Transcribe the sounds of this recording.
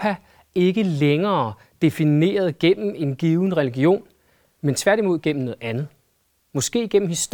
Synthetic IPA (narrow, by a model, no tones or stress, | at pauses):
pʰæ | e̝ɡ̥əleŋɐː | d̥e̝fine̝̰ːɐð̞̩ˠɡ̥en̰m̩e̝nɡ̥iːʊn̩ʁɛliɡ̥io̝̰ːn | ment͡sʰʋæɐɾ̥imo̝ð̰ˠɡ̥en̰m̩nɔ̽ð̩ˠænð̩ˠ | mɒ̽sɡ̥e̝̰ːɡ̥en̰m̩his